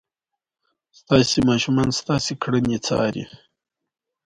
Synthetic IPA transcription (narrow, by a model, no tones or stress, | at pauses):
st̪asimaːʃumanst̪ɑːsikʰɽənit͡sɑ̰ːɾḭ